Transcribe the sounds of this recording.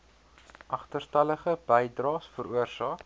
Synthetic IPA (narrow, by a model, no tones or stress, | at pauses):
ʔɐχtərstɐləχəbɛjdrɑːsfəɾuərsɑːk